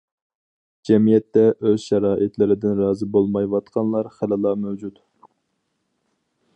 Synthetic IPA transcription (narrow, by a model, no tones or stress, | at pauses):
d͡ʒɛmijɛt̪ːɛʔøzʃɛɾɑːʔit̪lɪɾɪd̪ɪnɾɑːzɨbolˠmɑjwɑt̪qʰɑnlˠɑɾχælɨlˠɑmæwd͡ʒut̪